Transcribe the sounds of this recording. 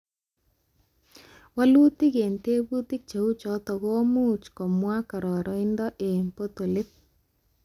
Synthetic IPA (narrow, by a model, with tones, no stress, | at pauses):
wa˦lu˦ti˦ɣe˨nte˦bu˦tɪ˦k̚t͡ʃe˨u˦t͡ʃɔ˨˦tɔ˨ɣo˦mu˦t͡ʃkɔ˨mwa˦ka˨ɾɔ˨ɾʔɔ˨˦ɪ˦ndɔ˦ʔe˨mpo˦t̪o˨lɪ˦p̚